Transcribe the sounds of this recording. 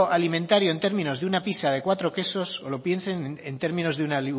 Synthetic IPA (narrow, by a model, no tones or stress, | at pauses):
ʔalimẽ̞nt̪aɾjo̞ent̪e̞ɾmĩno̞zðeunapisaðe̞kwat̪ɾo̞ke̞so̞solo̞pje̞nsene̞nt̪e̞ɾmĩno̞zðeunali